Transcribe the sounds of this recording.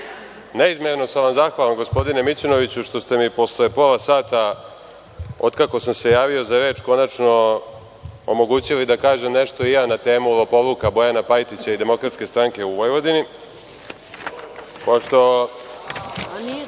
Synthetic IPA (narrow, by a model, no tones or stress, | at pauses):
neizmeɾno̞saʋamzaxʋalamɡo̞spo̞d̪ine̞mit͡ɕono̞ʋit͡ɕuʃt̪o̞st̪e̞mipo̞slepolasaːt̪a | od̪kako̞samse̞jaːʋio̞zaɾe̞ːt͡ʃko̞nat͡ʃno̞ | omo̞ɡuːt͡ɕilid̪akaːʒe̞mne̞ʃt̪o̞ijaːnat̪e̞ːmulˠopo̞lukabo̞janapajt̪it͡ɕaid̪e̞mo̞kɾat̪ske̞st̪ɾaŋke̞uʋojʋo̞d̪ini | poʃt̪o̞